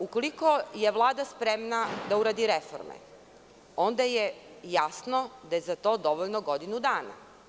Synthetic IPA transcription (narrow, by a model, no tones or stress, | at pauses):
ukoliko̞je̞ʋlˠaːd̪aspɾemnad̪auɾaːd̪iɾefo̰ɾmḛ | o̞nd̪aje | jasnod̪ajezat̪o̞ːd̪o̞ʋoʎnoɡod̪inud̪aːna̰